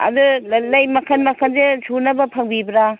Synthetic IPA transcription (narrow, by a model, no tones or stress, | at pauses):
ɐ̰dullajmɐkʰɐnmɐkʰɐnzesunɐbɐpʰɐŋbibɾa